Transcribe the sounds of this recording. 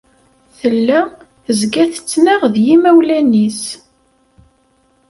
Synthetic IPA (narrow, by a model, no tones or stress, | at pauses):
θəlːæ | əzɡæθə̥t͡sːnæʁðjimæwlænis